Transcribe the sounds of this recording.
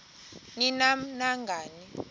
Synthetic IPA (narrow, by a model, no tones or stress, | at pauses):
ninam̩naŋɡʱaːni